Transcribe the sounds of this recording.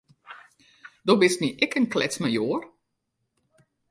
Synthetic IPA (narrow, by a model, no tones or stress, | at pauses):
d̥obɪstniʔɛkənklɛ̰t͡smajoːər